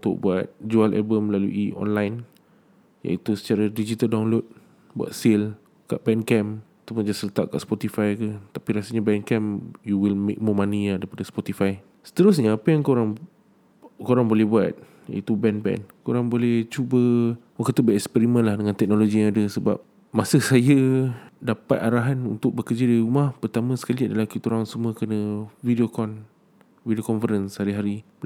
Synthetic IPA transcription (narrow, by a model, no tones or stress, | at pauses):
ut̪ʊ̰ʔ̚buat̪̚d͡ʒualʔa̰lbəmlalṵʔiʔɔ̰nlajn | ja̰it̪usə̥t͡ʃaɾadid͡ʒit̪aldawnlot̪̚ | bua̰t̪̚sil | ka̰ʔbɛnkɛmat̪awpʊnd͡ʒasələt̪a̰ʔ̚ka̰ʔspɔt̪ifajkət̪apiɾasəɲabɛnkɛmjuwilmḛk̚mɔmãnijãdaipadaspɔt̪ifaj | sə̥t̪əɾʊs̬ɲaapajaŋkoɾaŋ | koɾaŋbolɛhbua̰t̪̚ | ḭt̪ubɛnbɛ̰nkoɾaŋbolɛht͡ʃubəwakət̪ubəɛkspɛɾimə̃nlahdəŋãnt̪ɛk̚noloɡijaŋadəsəba̰p̚ | masəsajadapa̰t̪̚aɾaɦanunt̪ʊk̚bəkəd͡ʒadiɾumahpərt̪amə̃sə̥kaliadalahkit̪uɾaŋsəmuəkənəvidiokɔn | vidiokɔnfəɾənshaɾiɦaɾi